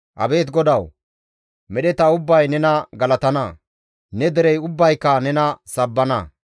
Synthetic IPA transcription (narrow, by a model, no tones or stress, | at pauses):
ʔɐ̰be̞ːt̪ɡɔd̪ɐw | mɛɗɛt̪ɐʊbːɐjnɛnɐɡɐlɐt̪ɐnɐ | nɛd̪ɛɾɛjʊbːɐjkːɐnɛnɐsɐbːɐnɐ